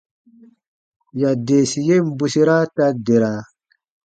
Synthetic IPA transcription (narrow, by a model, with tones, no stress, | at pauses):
ja˨de˨si˨je˦˨m̩˦bu˨si˦ɾa˦ta˦de˨ɾa˨